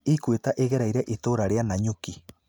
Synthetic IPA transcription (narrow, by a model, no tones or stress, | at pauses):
ikuet̪aʔeɣeɾajɾeʔit̪oɾaɾeanaɲuki